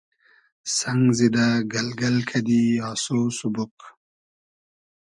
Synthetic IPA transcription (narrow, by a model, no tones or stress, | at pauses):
sɐŋɡzid̪aɡɐlɡɐlkʰɐd̪iaːsoːsubuk